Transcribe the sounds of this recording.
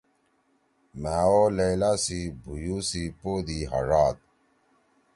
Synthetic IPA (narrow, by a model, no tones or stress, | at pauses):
maːolelasibʱujusipoːd̪iːɦɐ̰ʐaːt̪̚